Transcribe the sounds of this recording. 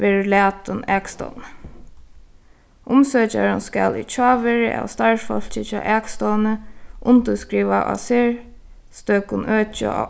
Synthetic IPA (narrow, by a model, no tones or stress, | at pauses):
ʋeːɹɪlæːt̪ʊnɛːkst̪ɔ̰wn | ʔʊmsøːt͡ʃa̰ɹʊnska̰lḭt͡ʃʰɑːʋɛːɹɪʔa̰wst̪aɹfɔl̥t͡ʃɪt͡ʃʰɑ̰ːʔɛːkst̪ɔwnəʔʊnt̪əskɹiːʋaʔa̰sɪɹ | st̪øːkʊnʔøːt͡ʃə̰a̰